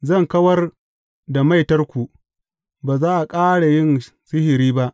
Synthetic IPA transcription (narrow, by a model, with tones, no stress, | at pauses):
zɐ˦˨ŋkɐ˦wɐ˦r | da˨ma˦jtɐ˦rkʷu˨ʔ | baː˨zaː˦ʔa˨kʼaː˦ɽa˨jɪ˦n | sɪ˦hɪ˨ɾiː˦ba˦ʔ